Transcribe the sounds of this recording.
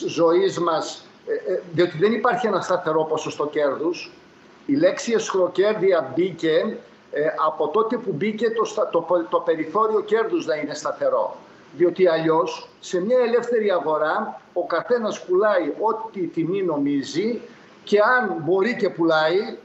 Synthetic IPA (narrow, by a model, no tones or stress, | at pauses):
zo̞izmɐs | ðio̞t̪iðenipɐɾçie̞nɐst̪ɐθe̞ɾo̞po̞sost̪o̞ce̞ɾðus | ile̞ksiesxɾo̞ce̞ɾðiɐbice̞ | ɐpo̞t̪o̞t̪epubice̞t̪ost̪ɐt̪opt̪o̞pe̞ɾiθo̞ɾio̞ce̞ɾðuznɐine̞st̪ɐθe̞ɾo̞̰ | ðio̞t̪iɐʎo̞sːe̞mɲɐele̞fθe̞ɾiɐɣo̞ɾɐo̞kɐθe̞nɐspulɐio̞t̪it̪imino̞mizi | ce̞ɐnbo̞ɾice̞pulɐi